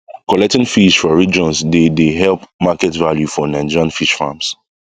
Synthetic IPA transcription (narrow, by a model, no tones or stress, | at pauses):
kɔlɛk̚tĩŋfiʃfɹɔ̃ɹid͡ʒɔ̃nsdedeɦɛlpmakɛtvaljufɔnãɪnd͡ʒiɹãnfiʃfa̰ms